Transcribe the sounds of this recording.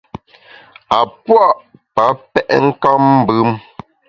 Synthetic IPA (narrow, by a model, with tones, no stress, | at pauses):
a˨pwa˦ʔpa˨˦pɛ˦ʔɛ˦ŋ̩˦ka˦m̩˦bʉ˦m